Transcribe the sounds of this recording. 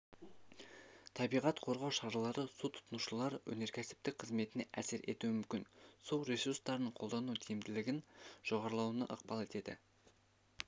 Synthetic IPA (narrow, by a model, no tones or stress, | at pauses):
t̪ʰɑbijʁɑt̪qʰo̞ɾʁɑwʃɑɾɑlˠɑɾəsut̪ʰʊ̥t̪ənuʃəlˠɑɾwɵ̰ne̞ɾkʲʰæsɪ̥p̚t̪ɪk̚qʰəzme̞t̪ɪne̞ʔæ̰seɾʔe̞̰t̪uɪmʏmkʲɪnsulˠɾe̞suɾst̪ɑɾnəɴqʰo̞lˠd̪ɑnud̪ʰejmd̪ɪlɪɡʲɪnʒ̥o̞ʁɑɾlˠɑwənɑ̰ʔə̰qpɑlˠe̞t̪e̞d̪ɪ̰